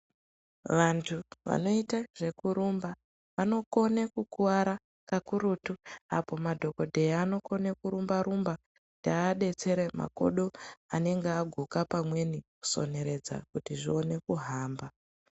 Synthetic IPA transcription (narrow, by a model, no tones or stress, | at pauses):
ʋantʰuʋa̰no̞itaʐ̥e̞kuɾumba | ʋano̞ko̞nekukuwaɾa | kakuɾutua̰po̞madʱo̞ko̞dʱe̞ano̞ko̞nekuɾumbaɾumba | kutiːɗe̞t͡se̞ɾema̰ko̞̰ɗo̞ane̞ŋɡeaɡʱukapamwe̞niku̥so̞̰ne̞ɾe̞d͡za̰kutiʐio̞ne̞kuɦaːmba